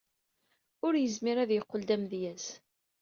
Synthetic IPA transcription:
ʊɾjəzmiɾæðjəqːəld̪æmðjæz

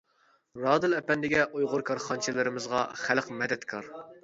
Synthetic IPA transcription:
ɾɑːd̪ɨlɛpɛnd̪ɪɡʲɛʔujʁʊɾkʰɑɾχɑnt͡ʃʰɪlɪɾɪmɪzʁɑ̰χælqmɛd̪ɛt̪kʰɑɾ

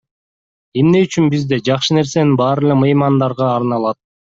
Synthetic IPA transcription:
e̞mne̞yt͡ʃynbizd̪e̞d͡ʒɑqʃɯne̞ɾse̞ninbɑːɾɯlˠemɯjmɑnd̪ɑɾʁɑːɾnɑlˠɑt̪̚

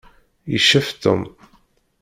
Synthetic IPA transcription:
jəʃːæft̪ə̰m

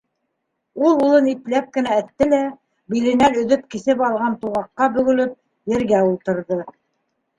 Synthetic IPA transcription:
ulˠulˠɤniklæp̚kɘ̆nææt̪ːɘlæ | bilɘ̆nænɵ̆ðɵp̚kisɘpɑlˠʁɑnt̪uʁɑqːɑbɵ̆ɡɵ̆lɵp̚ | jɘ̆ɾɡæulˠt̪ɤ̆ɾðɤ

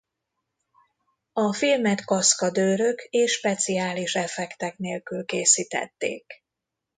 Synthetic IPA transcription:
ɒfilmɛt̪kɒskɒd̪øːɾø̞keːʃːpɛt̪siaːliʃɛfɛkt̪ɛkneːlkylkeːsiːt̪ɛ̰t̪ːḛːk

